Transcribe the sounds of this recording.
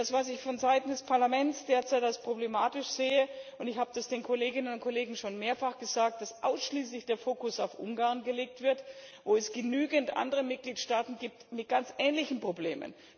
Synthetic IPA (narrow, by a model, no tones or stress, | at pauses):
d̥asvas̬ɪçfɔnzaɪtn̩dɛspʰaɐlamɛntt͡sd̥eːɐt͡saɪtalspʁ̥oblemaːtɪʃz̥eːəʔʊntɪçhaːbəd̥asd̥eːnkʰoleːɡɪnənʊntkʰoleːɡŋ̩ʃoːnmeːɐfaχɡ̥əzaːk̚t̚d̥asʔa̰ʊsʃliːslɪçd̥eːɐfoːkʊsaʊfʔʊ̰ŋɡaːɐnɡəleːk̚tv̥ɪɐtvoːɛsɡ̥ənyːɡəntʔa̰ndəʁ̞əmɪt̚ɡ̥liːtʃtaːtn̩ɡiːp̚tmɪt̚ɡ̥ant͡sʔɛːnlɪçn̩pʁ̥obleːmə̰n